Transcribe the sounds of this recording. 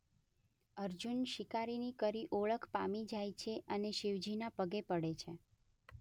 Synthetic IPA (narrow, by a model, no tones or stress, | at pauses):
əɾd͡ʒunʃikaɾinikəɾiʔoɭəkʰpa̰mid͡ʒajt͡ʃʰeʔəneʃiʋd͡ʒinapəɡepəɽet͡ʃʰe